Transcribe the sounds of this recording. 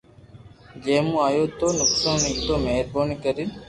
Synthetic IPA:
d͡ʒeːmũːaːjoːt̪oːnʊksaːniːt̪oːmeːɾboːnikəɾin

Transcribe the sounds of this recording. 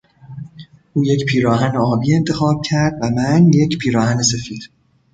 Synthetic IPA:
ʔuːje̞cpʰiːɾɒːɦæneɒːbiːe̞nt̪ʰe̞xɒːb̥̚cʰæɾd̪væmænje̞cʰpʰiːɾɒːhæne̞se̞fiːd̪̥

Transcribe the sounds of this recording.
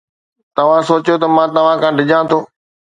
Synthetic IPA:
t̪ɐʋ̤ãsoːt͡ɕjot̪ɐmãːt̪ɐʋ̤ãkʰãːɖʱɪʄãt̪ʰoː

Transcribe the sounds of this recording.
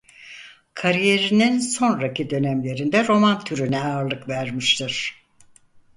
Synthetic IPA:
kʰaɾije̞ɾininso̞nɾacʰid̪ø̞næmlʲe̞ɾind̪ɛɾo̞mant̪ʰyɾynɛaːɾlˠɯkvæɾmiʃt̪ʰɯɾ̥

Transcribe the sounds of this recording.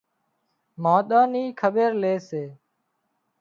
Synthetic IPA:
mãːɗ̪aːniːkʰəɓeːɾleːseː

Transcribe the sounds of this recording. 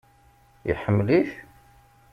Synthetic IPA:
jə̰ħəmːliθ

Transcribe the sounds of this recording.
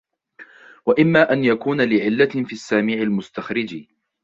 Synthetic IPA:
waʔɪmːaːʔanjakuːnalɪʕɪlːafiːasːaːmiːʕalmʊst̪axɾɪd͡ʒi

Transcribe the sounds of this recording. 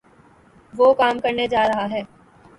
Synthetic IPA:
ʋoːkaːmkɐɾned͡ʒaːɾɐɦaɦɛː

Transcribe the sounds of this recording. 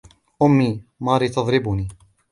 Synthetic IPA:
ʔʊmːiːmɑːɾiːt̪ɑðˤɾɪbʊniː

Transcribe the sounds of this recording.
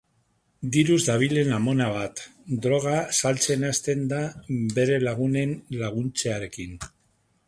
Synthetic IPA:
d̪iɾuzðaβ̞ile̞namo̞naβ̞at̪d̪ɾo̞ɣ̞asalt͡se̞nast̪e̞nd̪abe̞ɾe̞laɣ̞une̞nlaɣ̞unt͡seaɾe̞kin

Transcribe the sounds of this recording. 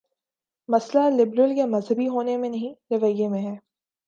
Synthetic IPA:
mɐslalɪbɾəlkemɐzɦəbiɦoːnemẽnɐɦĩɾɐʋəijːemẽɦɛː

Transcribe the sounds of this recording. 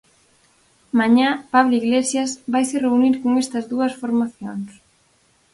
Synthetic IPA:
maɲapaβloiɣlesjɐsβajsereuniɾkoŋest̪ɐzðuɐsfoɾmaθjoŋs

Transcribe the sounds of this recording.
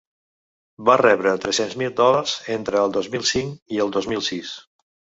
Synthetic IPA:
barɛβɾət̪ɾesenzmilˠd̪ɔləɾz̥ent̪ɾəːlˠd̪ozmilˠsiŋiəlˠd̪ozmilˠsis

